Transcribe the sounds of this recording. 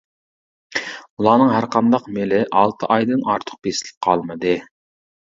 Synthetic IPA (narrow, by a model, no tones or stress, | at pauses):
ulˠɑːnɨŋɦæɾqʰɑnd̪ɑqmelɪʔɑlˠt̪ʰəʔɑjd̪ɨnɑɾt̪ʰʊ̥q̚b̥esɪlɪ̥p̚qʰɑ̰lˠmɨd̪ɨ